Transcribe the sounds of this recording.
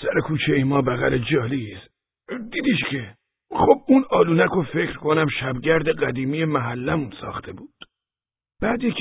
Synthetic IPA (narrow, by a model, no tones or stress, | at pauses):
sæɾekʰuːt͡ʃʰeimɒːbæɣæ̰led͡ʒɒːlis | d̪iːd̪iːʃcʰe | xob̚unɒːluːnækʰofecɾkʰo̞næmʃæbɟæɾd̪eɢæd̪iːmiːjemæɦælːæmunsɒ̰ːxt̪ʰe̞buːd̪̥ | b̥æːd̪jekʰ